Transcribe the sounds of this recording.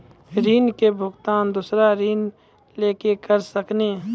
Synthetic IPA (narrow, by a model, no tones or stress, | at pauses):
ɾiːnkebʱʊɡt̪aːnd̪ʊːsɾaɾiːn | leːkekəɾsəkneː